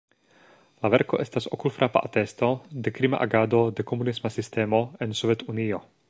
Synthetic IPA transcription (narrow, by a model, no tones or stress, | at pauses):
lavɛɾkɔʔɛst̪asʔɔkulfɾʔapa̰ʔat̪ɛst̪ɔd̪ɛkɾima̰ʔa̰ɡaːd̪od̪ɛkɔmunismasist̪ɛːmɔɛnsɔvɛt̪unijɔ